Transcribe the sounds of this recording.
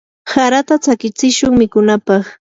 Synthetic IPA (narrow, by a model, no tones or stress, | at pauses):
saɾat̪at͡sakɪt͡sɪʃʊŋmɪkʊnapɑχ